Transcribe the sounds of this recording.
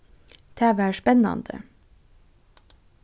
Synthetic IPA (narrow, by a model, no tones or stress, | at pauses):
t̪ʰæːʋæːʃpɛnɑ̰nd̪ə̰